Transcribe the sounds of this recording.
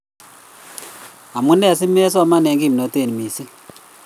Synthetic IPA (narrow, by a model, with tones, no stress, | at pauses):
a˨mu˦nɛ˦˨s̬i˦m˦e˦s̬ɔ˦ma˦˨ne˨ŋɡi˦˨mi˨no˨˦te˦˨ni˨mi˨si˦